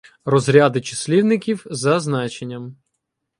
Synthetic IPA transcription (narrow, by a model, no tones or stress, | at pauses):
rɔzɾʲad̪ɪt͡ʃɪ̥sʲlʲiwnɪkʲiwzɐznɑt͡ʃenʲːɐm